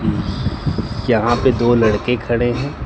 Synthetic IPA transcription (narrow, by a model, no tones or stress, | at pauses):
jɐɦãped̪oːlɐɽkekʰɐɽeɦɛ̃ː